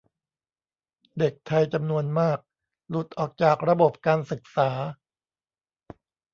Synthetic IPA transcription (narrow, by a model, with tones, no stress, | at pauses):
de˨˩k̚t̪ʰa˧jt͡ɕa˧mnu˧ənmaː˥˩k̚ | lu˨˩t̪̚ʔɔː˨˩k̚t͡ɕaː˨˩k̚ɾa˧bo˨˩p̚kaː˧nsɯ˨˩k̚saː˩˦